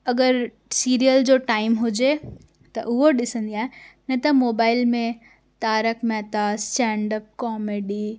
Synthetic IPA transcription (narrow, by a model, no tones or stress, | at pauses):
ɐɡəɾ | siːɾijəld͡ʑoːʈaːɪmɦʊd͡ʑe | t̪ɐ̰ʔʊɦoɗɪsə̃nd̪iaːɦenɐt̪ɐmoːbaːɪlmẽ | t̪aːɾəkmɛːt̪asʈɛ̃ːɳɖəp̚kɔːmeːɖiː